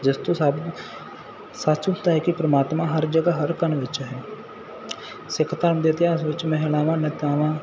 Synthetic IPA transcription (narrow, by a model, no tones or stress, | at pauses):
d͡ʒɪst̪õːsab | saːt͡ʃʊt̪aɦɛkipɾəmaːt̪mãːɦəɾd͡ʒəɡaɦəɾkənʋɪt͡ʃɦɛː | sɪkʰt̪aːɾmd̪et̪jaːɪsʋɪt͡ʃmɛɦɪlaːʋãːnɪt̪jaːʋãː